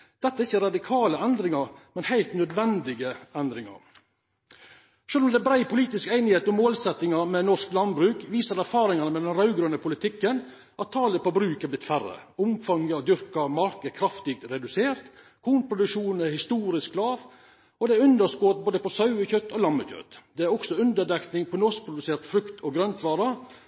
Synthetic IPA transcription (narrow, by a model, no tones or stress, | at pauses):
d̪̥ɛt̪ːɑæɾɪçːəɾɑd̪ɪkʰɑːləɛnd̪ɾɪŋɑɾmɛnhæɪlt̪nœd̪ʋɛnd̪ɪɡəɛnd̪ɾɪŋɑ̰ɾ | ʂøːlɔmd̪ɛbɾæɪpʰʊliːt̪ɪskæɪnɪheːt̪ɔmoːlsɛt̪ːɪŋɑɾmɛnɔʂklɑnbɾʉːkʋiːsəɾæɾfɑːɾɪŋɑnəmɛd̪ɛnɾɑʉɡɾøːənəpʰʊlɪt̪ʰɪkːən | ʔɑt̪ʰːɑːləpɔbɾʉːkɛblɪt̪fæɾə̰ʊmfɑŋəd̪ʏɾkɑmɑɾkəkʰɾɑft̪ɪɡ̪̚ɾɛd̪ʉseːɾt̪ | kʰuːnpʰɾʊd̪ʉkʂuːnɛhɪst̪uːɾɪsklɑːʋ | ɔd̪ɛæɾʉnd̪əsɡoːt̪̚boːd̪əpɔsɑʉəçœt̪ːɔlɑmːəçœ̰t̪d̪ɛæɾɔksɔʉnd̪əd̪ɛk̪nɪŋpʰɔnɔs̚pʰɾʊd̪ʉseːɾt̪fɾʉkt̪ʰɔɡɾœnt̪ʰʋɑːɾɑ